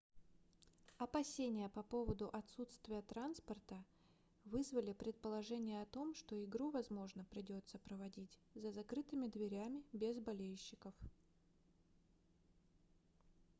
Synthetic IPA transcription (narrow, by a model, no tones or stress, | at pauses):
ɐpɐsʲenʲɪjəpɐpo̞vəd̪ʊʔɐt̪sut̪st̪vʲɪjət̪ɾanspərt̪ə | vɨzvəlʲɪpɾʲɪt̪̚pəlˠɐʐɛnʲɪjəɐt̪o̞mʂt̪o̞ɪɡɾuvɐzmo̞ʐnəpɾʲɪdʲo̞t̪səpɾəvɐdʲitʲzəzɐkɾɨt̪ɨmʲɪd̪vʲɪɾʲæmʲɪbʲezbɐlʲejɕːɪkəf